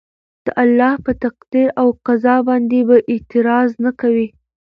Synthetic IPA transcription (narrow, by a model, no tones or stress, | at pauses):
d̪̥əʔalːɑhpət̪aqd̪iɾawqazɑbɑnd̪ebaʔɪt̪ɪɾɑznakawi